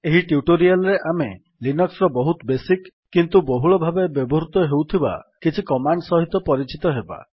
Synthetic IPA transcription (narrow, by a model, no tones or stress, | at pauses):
eɦiʈjuʈoɾialɔɾeʔame | linɔksɾɔbɔɦut̪besikːint̪uboɦuɭɔbʱabebjɔbɔɾut̪ɔɦewt̪ʰiba̰kit͡ʃʰikɔmaɳɖsɔɦit̪ɔpɔɾit͡ʃit̪ɔɦeba̰